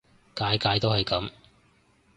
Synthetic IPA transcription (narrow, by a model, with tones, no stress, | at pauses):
kaː˨˥jkaː˨˧˥jt̪o˥whɐ˨jkɐ˨˧˥m